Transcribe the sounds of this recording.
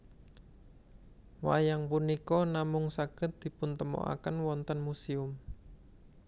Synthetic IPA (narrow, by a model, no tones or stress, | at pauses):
wa̰jaŋpunikɔnamʊŋsaɡ̥ə̤t̪̚d̪̥i̤pʊnt̪əmɔ̰ʔa̰kənwɔnt̪ənmusiʊm